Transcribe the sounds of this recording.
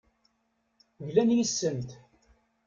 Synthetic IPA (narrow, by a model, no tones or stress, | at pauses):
ʝlænjisːəmt̪